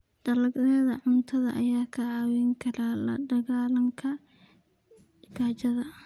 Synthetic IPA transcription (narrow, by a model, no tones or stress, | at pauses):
ɖ̥ɐlɐɡnɛːðɐʕʊnt̪ʰɐðɐ̰ʔɐjaːkʰɐaːwɛŋkʰɐɾalɐ̰ɖɐɣaːlɐŋkʰɐ | ɡaːt͡ʃɐðɐ